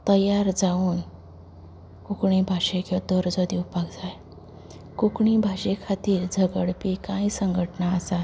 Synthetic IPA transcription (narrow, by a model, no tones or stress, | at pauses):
t̪əjaɾd͡zauːn | kukɳ̃ibʱaɕekid̪ɔɾd͡zɔd̪iwpakd͡zaj | kukɳibʱaɕekʰat̪iːɾd͡zʱəɡəɽpikãisəŋɡʱəʈnaəsa